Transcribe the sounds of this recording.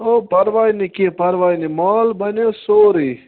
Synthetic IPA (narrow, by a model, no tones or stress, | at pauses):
opɐɾʋaːjnikipɐɾʋaːjnimaːlbɐnesoːɾi